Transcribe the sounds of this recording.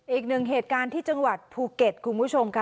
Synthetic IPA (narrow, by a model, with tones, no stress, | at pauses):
ʔiː˨˩k̚nɯ˨˩ŋɦeː˨˩t̪̚kaː˧nt̪ʰiː˥˩t͡ɕa˧ŋwa˨˩t̪̚pʰuː˧ke˨˩t̪̚kʰu˧npʰu˦˥˩t͡ɕʰo˧mkʰ